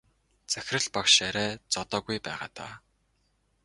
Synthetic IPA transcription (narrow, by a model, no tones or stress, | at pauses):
t͡sæxʲɪrɘ̆ɮpakʃæɾæːt͡sɔt̪ɔːɣujpæːʁa̰ːt̪ʰa̰ː